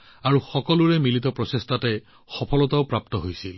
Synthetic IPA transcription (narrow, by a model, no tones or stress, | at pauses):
aɹuxɔkɔluɹɛmilitɔpɹɔsestatɛ | xɔpʰɔlɔtaʊpɹap̚t̪ɔɦojsil